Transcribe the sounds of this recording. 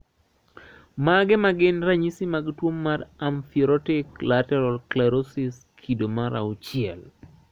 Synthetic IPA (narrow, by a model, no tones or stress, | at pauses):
maɡɛmaɡɪnɾaɲisimaɡtwomːaraɱfiɾɔtɪklatɛɾɔlklaɾosis | kʰidomaɾaʊt͡ʃɪɛl